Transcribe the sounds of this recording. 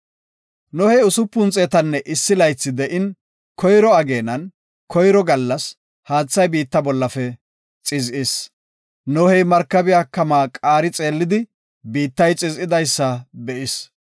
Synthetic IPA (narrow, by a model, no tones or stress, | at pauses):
nɔhɛjʊsʊpːʊnt͡sʼeːt̪ɐnːɛʔɪsːɪlɐjt͡sːɪd̪ɛʔɪn | kʰɔjɾɔɐɡe̞ːnɐn | kʰɔjɾɔɡɐlːɐs | haːt͡sːɐjbiːt̪ːɐbɔlːɐfɛ | t͡sʼɪzʔɪs | nɔhɛjmɐɾkːɐbɪjaːkɐmaːkʼaːɾɪt͡sʼe̞ːlːɪd̪ɪ | biːt̪ːɐjt͡sʼɪzɪd̪ɐjsːɐbɛʔɪs